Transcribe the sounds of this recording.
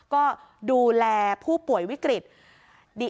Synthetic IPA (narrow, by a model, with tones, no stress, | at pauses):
kɔː˥˩duː˧lɛː˧pʰuː˥˩pu˨˩əjwi˦˥kɾi˨˩t̪̚ | diː˧˩